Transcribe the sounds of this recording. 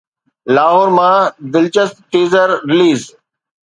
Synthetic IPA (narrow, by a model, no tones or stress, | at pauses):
laːɦoːɾmãːd̪ɪlt͡ʃəst̪̚ʈeːzəɾɾɪliːz